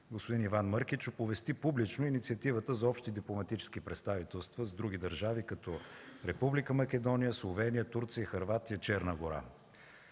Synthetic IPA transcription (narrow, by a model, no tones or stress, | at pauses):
ɡospod̪inivanməɾk̟it͡ʃʊpovɛst̪ipublit͡ʃnoinit̪siət̪ivət̪əzɐɔpʃt̪id̪iplˠomɐt̪it͡ʃɛ̥skipɾɛt̪st̪avit̪ɛlˠst̪vəzd̪ɾuɡ̟id̪əɾʒavikɐt̪ɔɾɛpublikəmɐkɛd̪ɔnijəslˠovɛnijət̪uɾt̪siəxəɾvat̪ijət͡ʃɛɾnəɡoɾa̰